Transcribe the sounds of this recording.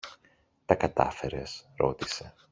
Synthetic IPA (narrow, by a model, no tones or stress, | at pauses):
t̪ɐkɐt̪ɐ̰fe̞ɾe̞sɾo̞t̪ise̞